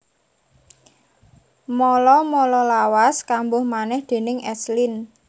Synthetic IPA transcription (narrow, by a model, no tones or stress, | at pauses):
mɔlɔmɔlɔlawaskambʊhmanɛhd̪̥e̤nɪŋɛslin